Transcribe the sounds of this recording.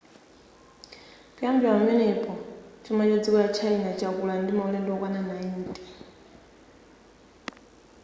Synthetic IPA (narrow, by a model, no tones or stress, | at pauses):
kʼiambiamɛnɛpʰʼɔt͡ʃʰimat͡ʃad͡zikulat͡ʃʰainat͡ʃʰakulandimaulɛndɔkwananaintʼɛ̥